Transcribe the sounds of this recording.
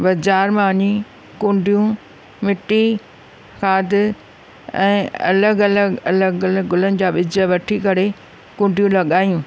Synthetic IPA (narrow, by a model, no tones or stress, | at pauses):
bɐd͡ʑaːɾmãːɲĩ | kʊ̃ɳɖʱijũ | mɪʈːi | kʰaːd̪ɪ | ɛ̰̃ːɐ̰ləɡɐləɡɐləɡʊləɡɡʊlənɪ̆d͡ʑaːɓɪd͡ʑəʋɐʈʰikɐɾe | kʊ̃ːɳɖijũlɐɠaːjũː